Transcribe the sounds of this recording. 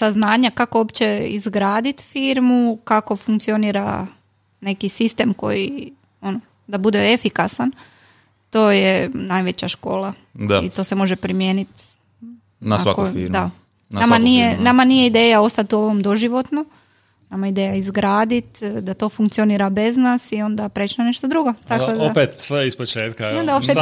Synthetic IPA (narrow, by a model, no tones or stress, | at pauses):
saznaːɲakakoopt͡ɕe̞ḭzɡɾaːd̪it̪fiːɾmukako̞fuŋk̚t̪sio̞niːɾa̰ | ne̞kisist̪e̞ːmko̞̰ji | o̞no | d̪abud̪eefikasan | t̪o̞ːjenajʋe̞t͡ɕaʃko̞ːlˠa | d̪ḭt̪o̞se̞mo̞ʒepɾimjeːnit̪ | nasaakoḭɾd̪a | namanijenamanije̞id̪eːjao̞st̪at̪uo̞ʋomd̪o̞ʒiʋo̞t̪no | namaid̪eːjaizɡɾaːd̪it̪d̪at̪o̞ːfuŋkt̪sioniːɾabe̞znaːsio̞nd̪apɾet͡ʃnaneʃt̪od̪ɾuɡo̞t̪akoopet̪sʋeispot͡ʃeːt̪̚kaod̪aope